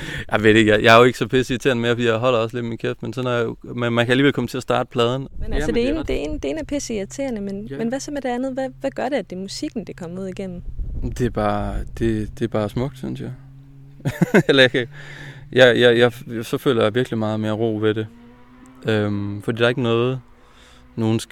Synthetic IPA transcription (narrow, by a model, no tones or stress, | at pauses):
jʔäɪʋed̥eɡ̥jɑ̈ɪjɑ̈ɪæɐjoe̝ɡ̥əsɒ̽pʰesit͡sʰe̝ɐnəme̝ɐɐfɒ̽dḭːjaɪɦɒ̽l̰ɐɒ̽sled̥minkʰefd̥mensɒ̽næjmænmænkʰæliːʋelkʰɒ̽mət͡sʰe̝ɐsd̥ɑ̰̈ːdəpʰlɛːð̞ˠn̩menææsd̥e̝end̥ee̝ːnd̥e̝e̝ːn̩æpʰesiæt͡sʰe̝ːɐnəmenmenʋæsɒ̽meɾ̥e̝ænð̩ˠʋæʋæɡ̥ɶɐɾe̝æd̥e̝musiɡ̥n̩d̥ekʰɒ̽mɐuð̞̰ˠiɡ̥em̰m̩d̥e̝æb̥ɑ̈ːd̥e̝d̥e̝æb̥ɑ̈ːsmɔ̽ɡ̥̚d̥synsjɑ̈ɪ | elɐjɑkʰæjɑɪjaɪjɑ̈sɒ̽fø̰ːlɐjäʋiɐɡ̥limɑ̈ːð̞̩ˠmeɐʁo̰ːʋe̝ɾe̝ | ømfɒd̥ḭːd̥ɑ̈e̝ɡ̥ənɔ̽ːð̞̩ˠ | no̝ːn̩s